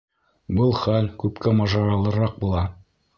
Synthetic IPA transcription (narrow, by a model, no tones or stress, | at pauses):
bɤlˠχælkʉpkæmɑʒɑɾɑlˠɤ̆ɾɑq̚bulˠɑ